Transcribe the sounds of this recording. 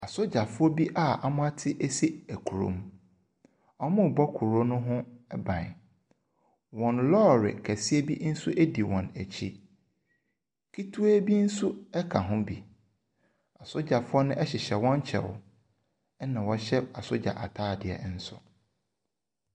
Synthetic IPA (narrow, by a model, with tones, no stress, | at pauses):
a˨sʊ˦d͡ʑa˨fʊ˦ɔ˦bi˦ʔa˦˨a˨mʊ̃˦a˦tʰɪ˦ʔe˦si˦æ˨kʰu˨ɾõ̰˨m | ɔ˦mʊ̃˦˨bɔ˦kʰu˨ɾo˦nʊ̃˦ɦʊ̃˦ɛ˦bã̰˨n˨ | wɔ̃˨nlɔː˦˨ɾɪ̰˨kʰæ˨si˦e˦bi˦n̩˦su˦ʔe˦di˨wɔ̰̃˨næ˨t͡ɕʰi˦ | kʰi˦tʰu˦æ˦bi˦n̩˦su˦ɛ˦kʰa˨ɦʊ̃˦bi˨ | a˨sʊ˦d͡ʑa˨fʊ˦ɔ˦nʊ̃˦ʔɛ˦ɕɪ˨ɕɛ˨wɔ̃˦n˦t͡ɕʰɛ̰˨w̰ | nã˨wɔ˨ɕɛ˦a˨sʊ˦d͡ʑa̰˨ʔa˨tʰaː˦˨dɪ˨ɛ̰˨˦n̩˦sʊ̰˨